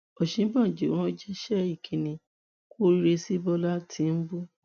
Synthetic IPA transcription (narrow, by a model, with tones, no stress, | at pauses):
ɔ˨ʃĩ˨˦bã˦˨d͡ʒẽ˨˦ɔ̃˦d͡ʒɛ˦ʃɛ˦i˦˨kʰĩ˨nĩ˨ | ko˦ɾi˦ɾe˧si˦bɔ˦la˦tʰi˨˦n̩˦bo˦